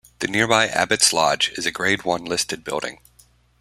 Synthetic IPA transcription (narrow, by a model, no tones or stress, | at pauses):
ðɨnɪɹbaɪʔæ̰bɨtslɑ̰d͡ʒɨzɨɡɹeɪd̚wʌ̃nlɪstɨd̚bɪ̰lˠɾɪ̰̃ŋ